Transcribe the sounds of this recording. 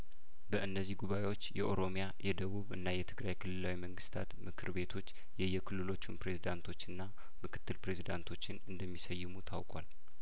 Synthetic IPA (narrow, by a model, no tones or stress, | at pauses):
bəʔɨnːəzːihɡuβaʔe̞wo̞t͡ʃːjɛʔoɾo̞mjajɛd̪əβuβɨ̰nːajɛt̪ʰɨɡɾajkʰɨlːɨlawiməŋɡɨst̪ʰat̪mɨkʰɨɾβe̞t̪ʰo̞t͡ʃː | jɛjːɛkʰɨlːɨlo̞t͡ʃːunpɾe̞zid̪ant̪ʰo̞t͡ʃːɨnːa | mɨkʰɨ̥t̪ːɨlpɾe̞zid̪ant̪ʰo̞t͡ʃːɪnɨnd̪əmːisəjːɪmut̪ʰa̰wkʼwa̰l